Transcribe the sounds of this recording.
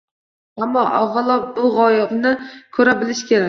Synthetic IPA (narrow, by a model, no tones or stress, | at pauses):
amːɒʔɒʁɨlˠɒp̚bʊʁɒjɪbnɪkʰɵɾabɪlɪʃkʲʰe̞ɾa